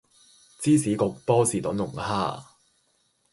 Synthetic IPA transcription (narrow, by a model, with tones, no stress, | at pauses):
t͡siː˥siː˨˥kʊ˨˧k̚pɔː˥siː˨˩t̪ʊ˨˥nlʊ˨˩ŋhaː˥˩